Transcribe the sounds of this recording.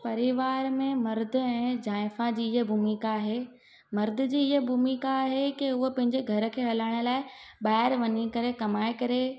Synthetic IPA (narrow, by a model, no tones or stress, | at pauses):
pɐɾiʋaːɾmẽmɐɾd̪ʱɪ̆ɛ̃ːd͡ʑaːɪfad͡ʑiːɪɦəbʱumikaːɦeː | mɐɾd̪ʱɪ̆d͡ʑiːɪɦəbʱumikaːɦekiʊɦopɐ̃ɦɪ̃ɲd͡ʑeɡʱɐɾə̆kʰeːɦɐlaːɪɽ̃ʊ̆laːɪɓaːɪɾʋɐɲikɐɾekɐmaːɪkɐɾe